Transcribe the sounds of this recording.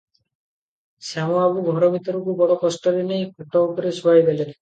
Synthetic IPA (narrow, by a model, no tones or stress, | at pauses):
samɔabuɡʱɔɾɔbʱit̪ɔɾukubɔɽɔkɔsʈɔɾinejkʰɔʈɔupɔɾesuajbele